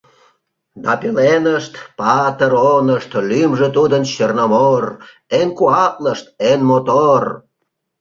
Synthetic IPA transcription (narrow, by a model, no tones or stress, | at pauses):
d̪ɑpelenəʃt̪pɑt̪əɾonəʃt̪lymʒet̪ud̪ənɕərnɑmor | enkuɑt̪̚ləʃt̪enmot̪or